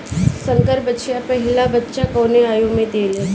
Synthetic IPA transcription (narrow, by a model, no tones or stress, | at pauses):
sə̃ŋkəɾbəːʃjapɐɦɪlabətːʃakɔːneaːjomẽd̪eːlẽ